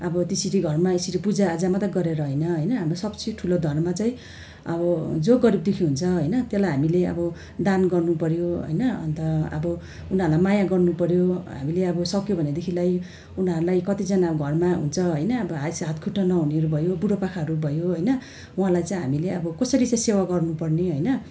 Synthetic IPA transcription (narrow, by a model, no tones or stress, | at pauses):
ʌbʌt̪isiɾiɡʱʌrmaesiɾipud͡zaːd͡zamat̪ʌɡʌɾeɾʌɦejnʌɦʌjnʌɦamrosʌbsʰiʈʰulod̪ʱʌrmat͡saĩ | ʌ̰bʌd͡zoɡʌɾib̚d̪ekʰiɦunt͡sʰʌɦʌjnʌt̪jelajɦamileʌ̰bʌ | d̪anɡʌrnupʌɾjoɦʌ̰jnʌʌ̰nt̪ʌʌ̰bʌ | unʌɾulajmajaɡʌrnupʌɾjoɦa̰mileʌbʌsʌkjobʱʌned̪ekʰilaj | unʌɾulajkʌt̪id͡zʌnaɡʱʌrmaɦṵnt͡sʰʌɦʌjnʌːbʌɦasɦat̪̚kʰuʈːʌnʌɦuneʌɾubʱʌjobuɽopakʰaɦʌɾubʱʌjoɦʌjnʌ | uɦãlajt͡saĩɦamileʌbʌkʌsʌɾit͡saĩsewaɡʌrnupʌrneɦʌjnʌ